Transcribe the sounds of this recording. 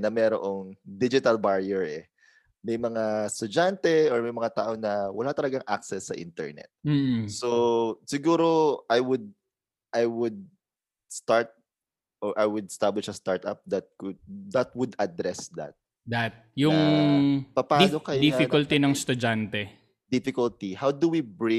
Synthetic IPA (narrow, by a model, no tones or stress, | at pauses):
nɐmɛːɾo̰ʔoŋd̪id͡ʒɪt̪ɐlbaɹiɛɹɛ | mɐjmɐŋast̪ʊd͡ʒant̪ɛɔɹmɐjmɐŋat̪aːʔo̞nɐwɐlat̪ɐlɐɡaŋʔa̰k̚sɛsːɐʔḭnt̪ɛ̰ɹnɛ̰t̪̚m̩ːsosɪɡuːɾo̞ʔajwʊd̪̚ | ʔajwʊd̪̚ | st̪aɹt̪̚ | ʔɔɹʔajwʊd̪̚st̪ablɪʃɐst̪aɹt̪a̰p̚d̪ɐt̪̚kʊd̪ɐt̪̚wʊd̪ɐd̪ɾɛsd̪ɐ̰t̪̚ | d̪at̪̚jʊŋ | pɐpaːnokɐjoifɪkʊlt̪inɐŋst̪ʊd͡ʒant̪ɛ | d̪ɪfɪkʊlt̪ihawd̪ʊwibɹɪ